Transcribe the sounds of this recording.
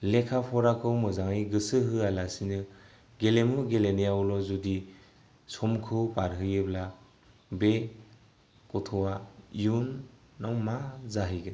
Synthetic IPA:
lekʰapʰɔɾakʰɯwmɯzaŋiɡɯsɯɦɯalasinɯ | ɡelemuɡelenejawlɔzudi | sɔmkʰɯwpaɾɦɯjɯbla | be | kɔtʰɔwaiunː | awmazaɦiɡɯn

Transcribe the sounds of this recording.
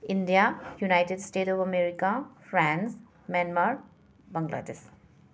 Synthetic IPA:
indijajunajʈeɖsʈeʈɔpmeɾikapʰɾãns | manmaɾ | bɐ̃ŋɡlʔa̰des

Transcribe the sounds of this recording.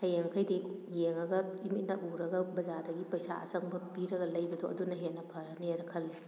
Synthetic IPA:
hɐjeŋkʰɐjdijeŋɐɡɐimit̚nɐʔuɾɐɡɐbɐzadɐɡipɐjsa̰ɐ̰sɐŋbɐbiɾɐɡɐlɐjbɐdoʔɐ̰dunɐɦenːɐpʰɐɾɐnieɾɐkʰɐlːi

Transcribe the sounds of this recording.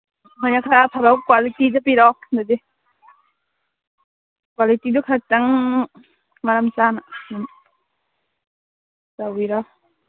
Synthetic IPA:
manakʰaapʰabawkwalitidɯpiɾawndadi | kwalitidukʰak̚taŋ | maɾamt͡ʃananan | sawiɾa

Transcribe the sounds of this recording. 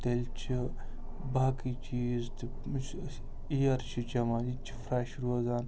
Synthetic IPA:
t̪elt͡ʃʰi | baːkit͡ʃiːzt̪ɨ | ijɐɾt͡ʃʰid͡ʒɐmaːlit͡ʃʰi̥fɾaːʃɾoːzaːn

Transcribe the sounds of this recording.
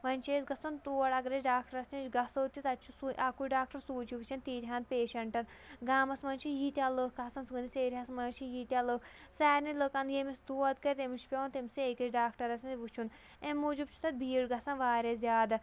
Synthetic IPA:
ʋɐnʲt͡ʃʰeːsɡɐsɐnt̪uːɐɽɐɡɾɐt͡ʃɖaːkʈɐɾɐsʲnʲit͡ʃɡɐsəːt̪ʲːit̪ɐt͡ʃʰusuʔakuɖaːk̚ʈɐɾsuːt͡ʃʰiʋɨt͡ʃʰɐnt̪iːɾʲɦaːnd̪̚peːʃɐɳʈɐn | ɡaːmɐsmɐnt͡ʃʰijiːt̪ʲaləːkaːsɐnsɨɡɨnʲiseːɾʲɐsmɐnt͡ʃʰijiːt̪ʲaləːk | sɛːɾniləːkand̪jeːmisd̪uːɐd̪kɐɾʲt̪emut͡ʃʰi̥pʲɐnt̪emsieːkit͡ʃɖaːkʈɐɾɐsinʲʋut͡ʃʰun | emːuːd͡ʒub̚t͡ʃʰu̥t̪ɐt̪̚biːɽɡɐsɐnʋaːɾʲezʲjaːd̪ɐ

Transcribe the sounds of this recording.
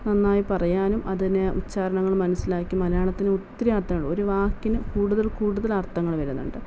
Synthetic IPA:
nɐnːaːjipɐrɐjaːnumʔɐðineut͡ɕːaːɾɐɳɐŋːɐɭmɐnɐsːilaːkːimɐlɐjaːɳɐt̪ːinɨut̪ːɐɾiaːrt̪ːɐŋːɐɭo̞ɾuʋaːkːinɨkuːɽuðɐlkuːɽuðɐlɐrt̪ʰɐŋːɐɭʋɐɾunːṵɳɖɨ

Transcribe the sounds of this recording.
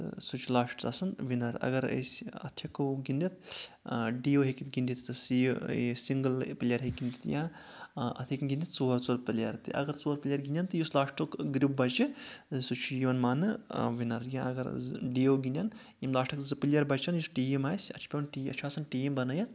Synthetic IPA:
sut͡ʃʰulaːʂʈt̪ɐsɐnʋinɐɾɐ̰ɡɐɾə̰sʲɐ̰t̪ʰikɡind̪it̪ | ɖiːoːɦekit̪ɡind̪it̪t̪ɨsisiŋɡɨlpilʲjɐɾɦekɡind̪it̪jãː | ɐ̰t̪ʰikɡʲind̪ʲit̪̚t͡soːɾt͡soːɾpɨljɐɾt̪ɨ̰ʔɐ̰ɡɐɾt͡soːɾpilʲjɐɾɡinʲjant̪ɨjuslaːʂʈukɡɾip̚bɐt͡ʃisut͡ʃʰujiʋɐnmaːnɨʋinɐɾjãɐɡɐɾɖioɡinʲjan | jimlaːʂʈʰɐkzɨpilʲjɐɾbɐt͡ʃɐnjusʈiːimaːjsʲɐ̰t͡ʃʰpʲewnʈiːɐ̰t͡ʃʰaːsɐnʈiembɐnɐjɐt̪

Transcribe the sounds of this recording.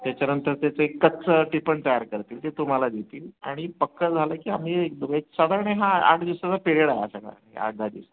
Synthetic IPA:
t̪jat͡ɕanənt̪əɾt̪jat͡səekːət̪ːt͡səʈipəɳt̪əjaɾkəɾt̪iːlt̪et̪um̤alad̪et̪iːlaɽ̃ifəkːəd͡zʱaləkiːam̤iːekd̪əeksad̪ʱaɾəɳeɦãa̰ʈʰd̪isat͡sapeɾeɽajeasaka̰ɾa̰ɦḛa̰ɡ̪ad̪ḭsa

